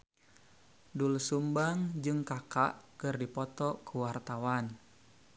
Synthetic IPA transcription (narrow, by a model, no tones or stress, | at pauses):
dulsumbaŋd͡ʒɨŋkakaʔkɨrdipɔt̪ɔkʰuwart̪awan